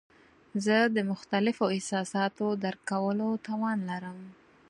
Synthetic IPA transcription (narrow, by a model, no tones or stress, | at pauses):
zəd̪əmʊxt̪alɪfoɪhsɑsɑt̪od̪aɾkawəlot̪ɑwɑnlaɾəm